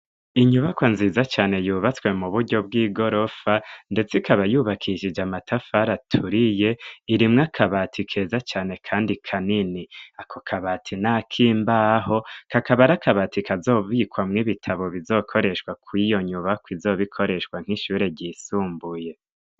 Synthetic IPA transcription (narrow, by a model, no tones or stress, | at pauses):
iɲuβakwanziːzat͡ʃaːne̞juːβat͡swe̞muβuɾɟo̞b̚ɡiːɡo̞ɾo̞fande̞t͡sikʰaβajuːβakʰiʃid͡ʒamatʰafaɾatʰuɾije̞iɾimŋakʰaβatʰikʰe̞ːzat͡ʃaːne̞kʰaːndikʰaniniakʰokʰaβaːtʰinakʰiːmbaɦo̞kakaβaɾakaβatikazo̞ːβiːkwamŋiβitʰaβo̞βizo̞ːkʰo̞ɾe̞ʃwakwijo̞ɲuβakwizo̞ːβikʰo̞ɾe̞ʃwaŋ̥iʃuːɾe̞ɟiːsuːmbuje̞